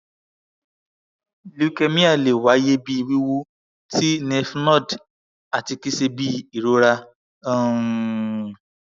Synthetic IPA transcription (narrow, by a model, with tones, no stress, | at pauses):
lu˨˦kɛ˧mĩ˦a˦˨le˨wa˨˦je˦bi˦i˧wi˦wu˦ | tʰi˦nɛ˧fnɔ̃˦˨d | a˨ti˧ki˦se˧bi˦i˨ɾo˨˦ɾa˧˦